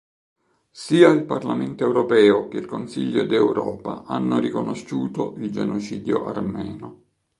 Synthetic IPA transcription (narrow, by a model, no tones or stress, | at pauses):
siːailparlament̪oɛwɾopɛːok̟eilkonsiʎːod̪ewɾɔːpa̰ʔanːorikonoʃuːt̪oʔild͡ʒenot͡ʃiːd̪jo̰ʔarmɛːno